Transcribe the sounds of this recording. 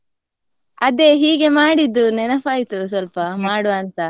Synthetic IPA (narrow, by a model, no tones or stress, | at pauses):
ɐd̪eːɦiːɡe̞maːɽid̪ːunɛnɐpaːjit̪us̬ɐlpɐmaːɽuɐnt̪ɐ